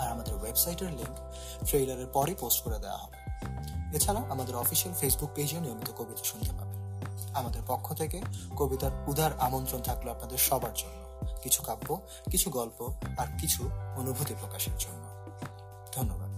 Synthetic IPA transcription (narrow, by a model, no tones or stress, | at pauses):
aɾamad̪eɾwebsajʈeɾliŋk | fʰɾejlaɾeɾpɔɾeposʈkoɾed̪ɛa̰ɦɔbe | et͡ɕʰaɾaoʔamad̪eɾɔfiʃeɾfesbuk̚pejd͡ʑioniomit̪okobit̪aʃund̪ʱepabeamad̪eɾpokʰːot̪ʰekekobit̪aɾud̪ʱaɾamont̪ɾont̪ʰakloapnad̪eɾʃɔbaɾd͡ʑonːokit͡ɕʰu̥kabːo | kit͡ɕʰuɡɔlpoaɾkit͡ɕʰuonubʱut̪ipɾokaʃeɾd͡ʑonːo | d̪ʱonːobad̪̚